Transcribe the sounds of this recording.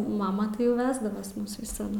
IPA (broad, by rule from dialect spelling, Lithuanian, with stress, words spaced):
ˈmɑːmɐ tɐɪ jɛʊ ˈʋʲæːzdɐʋɐs ˈmʊs ʋʲɪsɐˈdʊ